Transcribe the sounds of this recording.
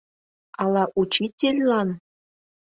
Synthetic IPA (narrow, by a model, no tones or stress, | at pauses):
ɑlˠɑʔut͡ɕitʲelʲlɑn